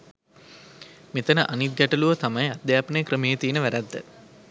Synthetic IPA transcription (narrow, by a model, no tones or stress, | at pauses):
met̪ənəʔanit̪̚ɡæʈəluʋət̪amɐjad̪jaːpənəjkɾəmeːjət̪iːnəʋæɾæd̪ːə